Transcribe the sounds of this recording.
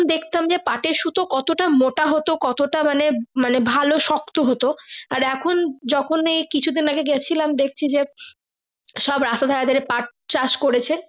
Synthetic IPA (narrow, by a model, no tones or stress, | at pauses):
nd̪ekʰt̪amd͡ʑepaʈeɾʃut̪okɔt̪oʈamoʈaɦot̪okɔt̪oʈamanemanebʱaloʃɔk̚t̪oɦot̪oaɾɛkʰond͡ʑɔkʰonejkit͡ɕʰud̪inaɡeɡɛt͡ɕʰilamd̪ek̚ʰt͡ɕʰid͡ʑe | ʃɔbɾast̪ad̪ʱakad̪eɾepaʈ̚t͡ɕaʃkoɾet͡ɕʰen